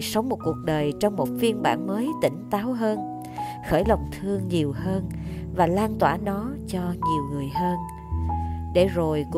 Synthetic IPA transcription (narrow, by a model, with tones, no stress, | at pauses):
sə˨˦wŋ͡mmo˨˩t̚ku˨˩ək̚ɗəː˨˩jt͡ɕɔ˧wŋ͡mmo˨˩t̚vi˧ənɓa̰ː˧˩nməː˨˦jt̪ï˧˩ŋ̟t̪aː˨˦wɦəː˧n | xəː˧˩jlə˨˩wŋ͡mt̪ʰɨ˧əŋɲi˨˩əwhəː˧n | vaː˨˩laː˧nt̪waː˧˩nɔ˨˦t͡ɕɔ˧ɲi˨˩əwŋɨ˨˩əjhəː˧n | ɗe˧˩zo˨˩jkʊ˧